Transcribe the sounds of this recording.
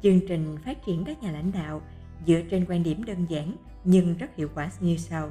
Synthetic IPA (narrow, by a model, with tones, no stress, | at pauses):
t͡ɕɨ˧əŋt͡ɕï˨˩ŋ̟faː˦˥t̚t͡ɕi˧˩ənkaː˦˥k̚ɲaː˨˩la̰˧˥jŋ̟ɗa̰ː˧˨w | zɨ̰˧˥ət͡ɕe˧nkwaː˧nɗi˧˩əmɗəː˧nzaː˧˥n | ɲɨ˧ŋzə˦˥t̚hḭ˧˨əwkwaː˧˩˧ɲɨ˧sa˧w